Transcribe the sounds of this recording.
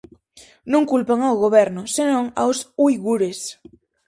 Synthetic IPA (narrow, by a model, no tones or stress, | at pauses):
nũŋkulpaŋawɣoβ̞ɛɾnosenõŋa̰wsujɣuɾes